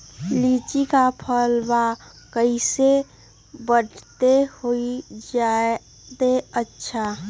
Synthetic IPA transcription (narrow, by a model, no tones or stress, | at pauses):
lit͡ʃikapʰəlba | kəɪse | bəʈʰt̪ehoid͡ʒae | d̪eətːʃʰa